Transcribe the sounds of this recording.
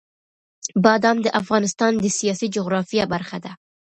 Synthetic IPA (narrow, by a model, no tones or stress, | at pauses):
bɑd̪ɑnd̪əʔafɣɑnɪst̪ɑnd̪əsijɑsid͡ʒʊɣɾɑfijabaɾxad̪a